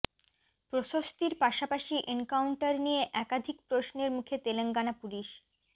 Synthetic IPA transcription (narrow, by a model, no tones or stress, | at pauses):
pɾoʃost̪iɾpaʃapaʃiʔenkawɳʈaɾnijeʔɛkad̪ʱik̚pɾosneɾmukʰet̪eleŋɡanapuliʃ